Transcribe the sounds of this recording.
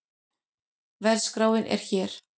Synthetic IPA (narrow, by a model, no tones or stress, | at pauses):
vɛɾskɾaːwɪnʔɛ̰ɾ̥çɛːɾ̥